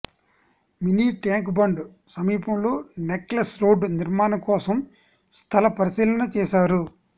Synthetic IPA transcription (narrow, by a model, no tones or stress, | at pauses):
miniːʈjaːŋkbɐɳɖu | sɐmiːpɐmlo̞ːneklɐsɾo̞ːɖniɾmaːnɐkɔːsɐm | st̪ʰɐlɐpɐɾisiːlɐnɐt͡ʃɛːʃaːɾu